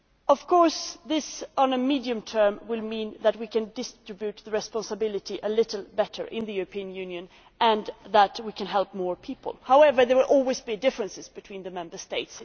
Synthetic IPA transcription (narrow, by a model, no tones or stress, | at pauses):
ʌv̥kʰɔɹsðɪsə̃nəmidiɨ̃mtʰɜ˞mwɪlmĩnðæt̚wikʰɨ̃ndɪstɹ̥ɪbjʉt̪̚ðəɹɨspɑ̃nsəbɪlˠɨɾiʔəlɪɾl̩ˠbɛɾʰə̰˞ʔɪ̃nðɨjʉɹəpʰiɨ̃njʉ̃njɨ̃n | ʔɨ̃nðætwikʰɨ̃nɦɛlˠp̚mɔɹpʰipə̰l̩ˠhaʊɛvə˞ðəwɪlʔɔlˠwizbidɪfɹɨ̃nsɨzb̥ɨtʰw̥ĩnðɨmɛ̃mbə˞steɪts